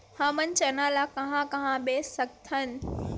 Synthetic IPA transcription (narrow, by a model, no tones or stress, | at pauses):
hãːmɐn̆t͡ɕɐnaːlakɐɦãkɐɦãɓeːsɐɡt̪ʰənɪ̆